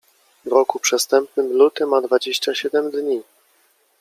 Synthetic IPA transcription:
vɾɔkupʂɛst̪ɛmp̚nɘmlut̪ɘmad̪vad͡ʑeɕt͡ɕaɕɛd̪ɛmd̪ɲi

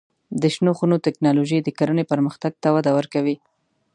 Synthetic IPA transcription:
d̪əʃnoxunot̪ɪknɑloʒejd̪əkaɾənepəɾməxt̪aɡ̚t̪awad̪awəɾkawi

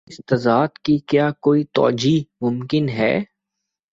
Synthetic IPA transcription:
ɪst̪ɐzaːd̪kikjaːkoːit̪ɔ̰ːd͡ʒimʊmkɪnɦɛ̰ː

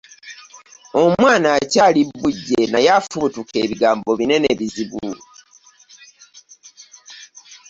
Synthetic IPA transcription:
o̞mwaːnaːcaːlibːuɟːenajafutuke̞ːβiɡaːmbo̞βine̞neβiziβu

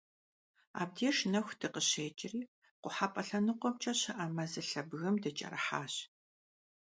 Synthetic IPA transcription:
a̰ːb̚djɛʃnɐxʷd̥ɨqəɕeːt͡ʃʼɪriː | qʷʊħapʼɐɬɐnɨqʷɔmt͡ʃʼɐɕɐʔɐmɐzɨɬɐbɣɐmdɐt͡ʃʼɐ̰rɐħaːɕ

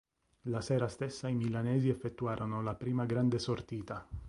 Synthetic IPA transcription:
lasɛːɾast̪esːaimilanɛːziefːet̪ːuaːɾʔonolapɾiːmaɡɾand̪esort̪iːt̪a

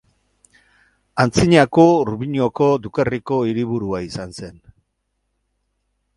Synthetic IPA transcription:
ant͡siɲako̞ruβiɲio̞ko̞d̪ukeriko̞iɾiβuɾuaisanse̞n

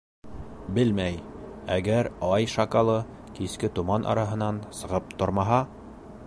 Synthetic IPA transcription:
bɘlmæj | æɡæɾɑjʃɑkɑlˠɤ | kiskɘt̪umɑnʔɑ̰ɾɑɦɤ̆nɑnsɤ̆ʁɤp̚t̪ŏɾmɑɦɑ

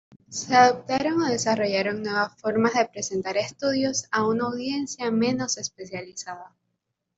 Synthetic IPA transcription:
se̞aðop̚t̪aɾo̞ŋo̞ð̞e̞saro̞ʝaɾo̞ŋnwe̞β̞asfo̞ɾmazðe̞pɾe̞se̞nt̪aɾe̞st̪uðjo̞saunaːwðje̞nsjamẽ̞no̞se̞spe̞sjalisaða

